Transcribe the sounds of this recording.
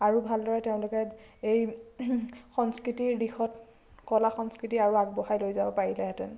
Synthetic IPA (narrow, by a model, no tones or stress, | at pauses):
aɹubʱaldɔɹɛteʊ̃lʊkɛej | xɔnskɹitiɹdixɔt | kɔlaxɔnskɹitiaɹuaɡ̚bɔɦajlojzabɔpaɹilɛɦɛtɛn